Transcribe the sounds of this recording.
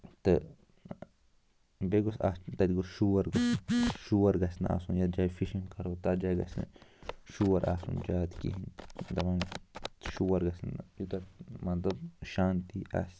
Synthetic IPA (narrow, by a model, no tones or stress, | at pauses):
t̪e | beɡosa̰t̪ad̪ɡosʃuaɾɡaʃuaɾɡasna̰ʔa̰sunjad̪d͡ʒajfiʃiŋkaɾot̪ad͡ʒajɡa̰sna̰ʃuaɾʔa̰sṵnd͡ʒat̪kḭhind̪amanʃuaɾɡasna̰jut̪amand̪oʃant̪iʔa̰s